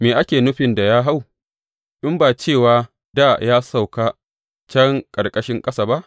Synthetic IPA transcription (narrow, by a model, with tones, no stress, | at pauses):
meː˨ʔa˦kʲeː˨nʊ˦ɸɪ˨nda˨jaː˦ɦa˦˨w | ʔɪ˦mbaː˨t͡ʃeː˦˨waː˨ | daː˦˨jaː˦sa˦˨wkaː˦ | t͡ʃɐ˦ŋkʼɐ˨rkʼɐ˦ʃɪ˦ŋkʼɐ˦saː˨ba˦ʔ